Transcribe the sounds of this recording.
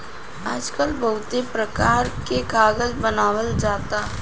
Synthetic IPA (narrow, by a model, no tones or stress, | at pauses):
aːd͡ʒkəlbɐɦʊt̪epɾəkaːɾkeɡaːɡəlbənaːwəld͡ʒaːt̪aː